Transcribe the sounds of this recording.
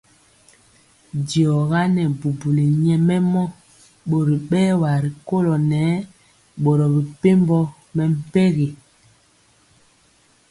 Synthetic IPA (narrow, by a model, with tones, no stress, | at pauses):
di˨ɔ˨ɣa˦nɛ˨bu˨bu˨le˨ɲɛ˨mɛ˦mɔ˦ | ɓo˨ɾi˨ɓɛː˦wa˨ɾi˨ko˦lɔ˨nɛː˨˦ | ɓo˨ɾɔ˨bi˨pe˦mbɔ˦ | mɛ˨m̩˦pɛ˦ɣe˨